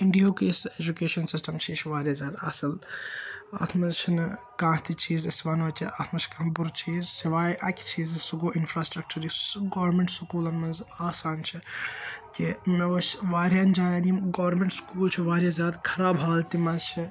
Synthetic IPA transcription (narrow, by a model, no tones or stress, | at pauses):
iɳɖioːkiːsed͡ʒukeːʃɐnsisʈɐmt͡ʃʰiːt͡ʃʰʋaːɾʲjazʲaːd̪ɐ̰sɐl | a̰ːt̪ʰmɐzt͡ʃʰinkãːɦt̪it͡ʃʰiːzsiʋanɐːt̪ʲʰiʔaːt̪ʰmɐt͡ʃʰkãːbuɾt͡ʃʰiːzsiʋaːjʔɐkʲt͡ʃʰiːzsuɡoːʔinfɾaːsʈɾɐk̚t͡ʃɐɾisɡoːɾmeɳʈsukuːlɐnmɐzaːsaːnt͡ʃʰikʲimɐʋɐsʋaːɾjaːnd͡ʒaːnɐnimɡoʋɐɾmeɳʈskuːlt͡ʃʰiʋaːɾʲjazʲaːd̪kʰɐɾaːbɦaːlt̪imɐzt͡ʃʰi